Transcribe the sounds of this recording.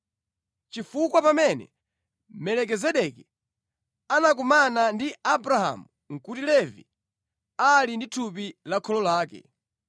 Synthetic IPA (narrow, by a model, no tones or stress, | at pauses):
t͡ʃifukwapamɛnɛ̰ | mɛlɛk̬ɛzɛɗɛkɛ | anak̬umanandiabɾaha̰mu | ŋ̩kutilɛvḭ | alinditʰup̬ilakʰɔlɔlaːkɛ̰